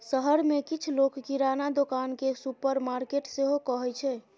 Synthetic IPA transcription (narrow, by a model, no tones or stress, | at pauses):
səɦəɾmekit͡ʃʰlokkiɾanad̪okankesupəɾmaɾkeʈseɦokəɦɛt͡ʃʰɛ